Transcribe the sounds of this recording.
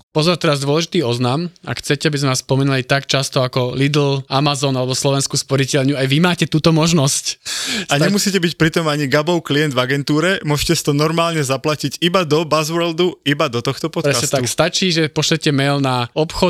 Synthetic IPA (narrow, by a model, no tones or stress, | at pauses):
pɔzɔɾt̪ɛɾazd̪ʊɔlɛʒit̪iːɔznama̰xt͡sɛcɛabizmɛʋaspɔmɛnulit̪akt͡ʃast̪ɔakɔlid̪l̩amazɔnalɛbɔslɔʋɛnskuːspɔɾicɛlɲuajʋimaːcɛt̪uːt̪ɔmɔʒnɔscaɲɛmusiːcɛbicpɾit̪ɔmaɲiɡabɔʊkliɛnd̪vaɡɛnt̪uːɾɛmʊɔʒcɛsi̥t̪ɔnɔɾmaːlɲɛzaplacicibad̪ɔbazʋɛld̪uibad̪ɔt̪ɔxt̪ɔpɔt̪pɾɛsasɛt̪akst̪at͡ʃiːʒɛpɔʃlɛcɛmɛlnaɔpxɔ